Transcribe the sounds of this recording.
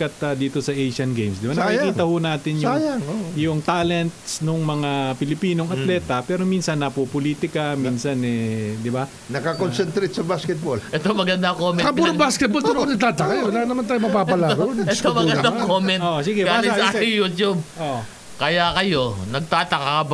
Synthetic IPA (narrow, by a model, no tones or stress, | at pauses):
kɐt̪ɐd̪iːt̪o̞sɐʔejʃɐnɡejmsd̪ɪbanɐkiiːt̪ɐhʊnaːt̪ɪnjajaŋojʊŋt̪aːlɛnt̪̚snʊŋmɐŋapɪlɪpiːnoŋɐt̪lɛːt̪ɐpɛːɾo̞minsɐnːɐpopoliːt̪ɪkɐminsɐnɛd̪ɪba | nɐkɐkonsɛnt̪ɾet̪sɐbaskɛt̪̚bolʔɛt̪omɐɡɐnd̪ɐkoːmɛkɐbuɾobaːskɛt̪̚bolɐnonɐɡ̚t̪aːt̪ɐkawɐlanɐmant̪aːjʊmɐpaːpɐlaɾonɛomɐɐɡɐnd̪akoːmɛnʔ̪oʔsiɡɛaɐkɐɪjut̪jub̚ʔoʔ | kɐjakɐjo̞nɐɡ̚t̪aːt̪ɐkakɐb